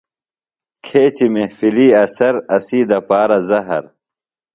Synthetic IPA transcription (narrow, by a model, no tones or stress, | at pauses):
kʰeːt͡ɕimefiliːɐsɐɾɐsiːd̪ɐpaːɾɐzɐɦɐ̰ɾ